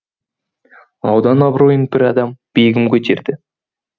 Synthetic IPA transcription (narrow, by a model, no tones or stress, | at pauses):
ɑwd̪ɑnɑbɾojənbɪɾɑd̪ɑmb̥ejɡʲɪmkʲʰɵt̪e̞ɾd̪ɪ